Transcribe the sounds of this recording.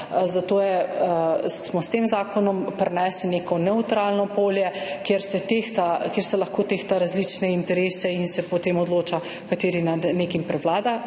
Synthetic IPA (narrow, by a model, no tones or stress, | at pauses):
zat̪oːjɛ | smɔst̪emzaːkɔnɔmpɾɛnɛːslinekɔnɛut̪ɾalnɔpoːljɛkjeɾsɛt̪ext̪akjeɾsɛlaxkoːt̪eːxt̪aɾazlit͡ʃnɛint̪ɛɾeːsɛinsɛpɔt̪eːmɔd̪loːt͡ʃa | kat̪eːɾinad̪neːkimpɾɛʋlaːd̪a